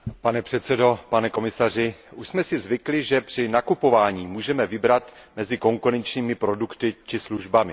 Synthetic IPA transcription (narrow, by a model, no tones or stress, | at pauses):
panɛpr̝̥ɛt̪sɛdo̞panɛko̞mɪsar̝ɪʔuʃsmɛsɪzvɪklɪʒɛpr̝̥ɪnakupo̞vaːɲiːmuːʒɛmɛvɪbɾat̪mɛzɪko̞ŋkuɾɛnt͡ʃɲiːmɪpɾo̞dukt̪ɪt͡ʃɪsluʒbamɪ